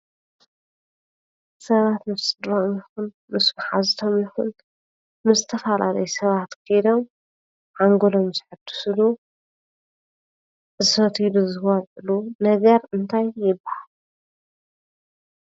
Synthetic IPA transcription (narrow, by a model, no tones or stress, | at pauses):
sɐβat̪mɨfsʼɨd̪ɾomjɪxun | mɨsmaħazɨt̪ʰomjɪxun | mɨzɨt̪ʰɐfala̰lɐjsɐβat̪kʰɨjd̪o̞m | ʕaŋɡolo̞mzɨħɨt̪ʰu̥sɨlu | zɨfɐt̪ʰiluzɨxɐʕɨlunɐɡɐɾɨnt̪ʰajːɪbːahal